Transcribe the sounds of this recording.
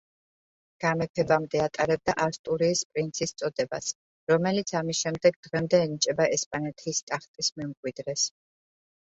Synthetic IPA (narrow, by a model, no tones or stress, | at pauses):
ɡ̥amɛpʰɛbamd̪ɛat̪ʼaɾɛb̚d̪aʔast̪ʼuɾiːspʼɾint̪sʰist̪sʼɔd̪ɛba̰s | ɾɔmɛlit̪sʰamisʃɛmd̪ɛɡd̪ʁɛmd̪ɛːnit͡ʃʼɛbaʔɛspʼanɛt̪ʰiːst̪ʼaχt̪ʼismɛmɡʼwid̪ɾɛs